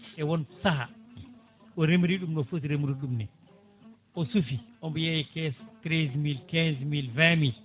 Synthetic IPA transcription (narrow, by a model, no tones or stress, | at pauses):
ʔɛwɔnsaɦa | ʔɔɾemɾiɗumnɔfot̬iɾemuɾiɗumnɛ | ʔɔsufiʔɔmbɔjajikɛstɾezmilkɛnzmilvɛmil